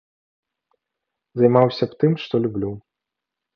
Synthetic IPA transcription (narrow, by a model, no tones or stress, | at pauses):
zɐjmawsʲɐpt̪ɨmʂt̪ɔlʲublʲu